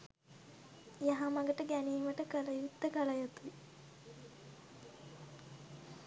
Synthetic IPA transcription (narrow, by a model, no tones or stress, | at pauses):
jaɦamɐɡəʈəɡæniːməʈəkələjut̪ːəkələjət̪u